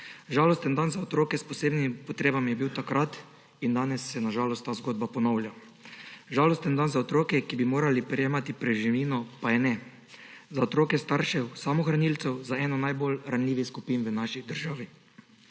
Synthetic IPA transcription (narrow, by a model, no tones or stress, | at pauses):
ʒaːlɔst̪ɛnd̪anzaɔt̪ɾoːkɛspɔseːbnimpɔt̪ɾeːbamijɛbiwt̪akɾat̪ | ind̪aːnɛsːɛnaʒaːlɔst̪ːaːzɡoːd̪bapɔnɔwlja | ʒaːlɔst̪ɛnd̪anzaɔt̪ɾoːkɛkibimoːɾalipɾɛjeːmat̪ipɾɛʒiʋiːnɔpajɛnɛ | zaɔt̪ɾoːkɛst̪aɾʃɛwsamɔxɾanilt̪sɛwzaɛːnɔnajbolɾanlʲiːʋixskupiːnʋənaːʃid̪əɾʒaːʋi